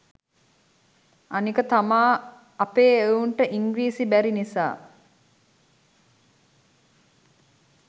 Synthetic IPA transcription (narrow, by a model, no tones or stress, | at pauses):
anikət̪amaː | ɐpeːouɳʈəʔiŋɡɾiːsibæɾinisa̰ː